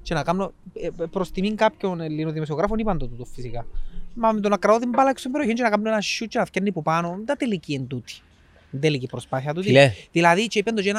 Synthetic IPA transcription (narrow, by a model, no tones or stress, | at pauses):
t͡ʃenɐkamnopɾost̪imiŋkapçonelːinoðimos̬ioɣɾafonipɐnd̪ot̪ut̪ufisikɐmɐmet̪onɐkɾɐot̪imbɐlɐkst̪umbeɾjoçint͡ʃenɐkamnoenaʃːut͡ʃːenɐfcɐnːipupanond̪ɐt̪eliciend̪ut̪i̥ | nd̪elicipɾospaθiɐt̪ut̪iðilɐðit͡ʃeipend̪ot͡ʃen